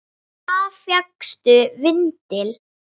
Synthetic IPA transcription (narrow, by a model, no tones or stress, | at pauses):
afjakst̪ʏvɪnt̪ɪl